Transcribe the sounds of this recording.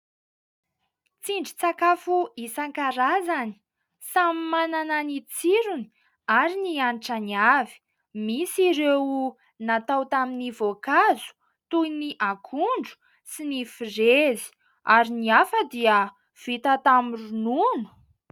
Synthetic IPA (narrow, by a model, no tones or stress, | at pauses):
t͡siɳɖ͡ʐit͡sakafuisaŋkaɾazani̥ | samimanananit͡siɾuni | aɾinianʈ͡ʂaniavi̥ | misiɾew | nat̪awt̪aminivokazu̥ | t̪ujniʔakʰuɳɖ͡ʐu̥ | sinifirezi̥ | aɾiniafəd̪iə | v̥it̪at̪amirununu̥